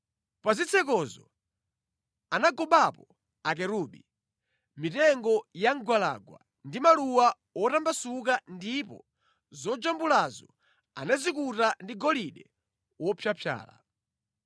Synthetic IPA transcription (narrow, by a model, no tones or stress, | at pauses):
pazit͡sʰɛk̬ɔzɔ | anaɡɔɓapɔ | ak̬ɛɾuɓi | mitɛŋɡɔjaŋɡwala̰ɡwa̰ | ndimaluwa | ɔtambasuk̬andipɔ̰ | zɔd͡ʒambulazɔ | anazikutandiɡɔliɗɛ | wɔpʰjapʰja̰ːla̰